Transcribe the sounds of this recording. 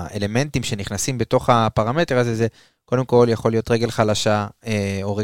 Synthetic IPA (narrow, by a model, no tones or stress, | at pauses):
ʔḛle̞me̞ntimʃe̞niχnasimbe̞to̞χapaʁame̞teʁazeze | ko̞d̪e̞mko̞ljaχo̞lijot̪ʁe̞ɡe̞lχalaʃaeo̞ʁe